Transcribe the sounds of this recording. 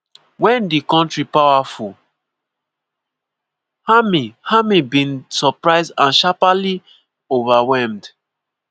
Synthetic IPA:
wɛ̃ndikɔ̃ntɹipawaful | hamihamibĩnsɔpɹaɪzdãnʃapali | ovawɛmd

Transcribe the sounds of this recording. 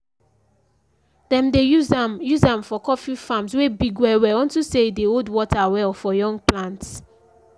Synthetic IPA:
dɛ̃mdeujuzãmfɔkɔfifãmswebiɡwɛwɛɔ̃ntuseideodwɔtʰawɛlfɔjɔ̃ŋɡ̚plãnts

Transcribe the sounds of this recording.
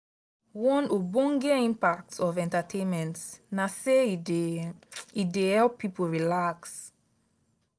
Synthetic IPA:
wɔ̃nobɔ̃nɡɛĩmpak̚tɔvɛ̃ntatʰẽnmɛ̃ntnase | idehɛlpʰːipoɹilaks

